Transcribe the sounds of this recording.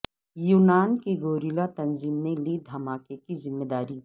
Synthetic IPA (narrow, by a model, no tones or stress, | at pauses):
juːnaːnkeɡoːɾilat̪ɐnziːmnelid̪ʱɐmaːkekizɪmːeːd̪aːɾiː